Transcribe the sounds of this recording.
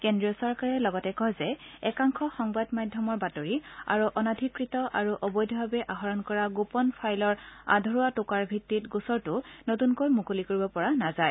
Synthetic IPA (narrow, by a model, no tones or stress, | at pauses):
kendɹiɔsɔɹkaɹɛlɔɡɔtɛkɔɦzɛɛkaŋxʰɔxɔŋbadmadʱjɔmɔɹbatoɹia̰ɹuʔɔnadʱikɹitɔʔaɹuʔɔbɔjdʱɔbabɛʔaɦɔɹɔnkɔɹaɡupɔnpʰajlɔɹa̰dʱɔɹuatʊkaɹbʱitːitɡusɔɹtʊnotunkojmukulikoɹibɔpɔɹanazaj